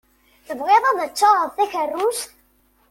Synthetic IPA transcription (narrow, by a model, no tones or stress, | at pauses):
θəvʁeðˤɑðət͡ʃːoɾˤəðˤθæçərːus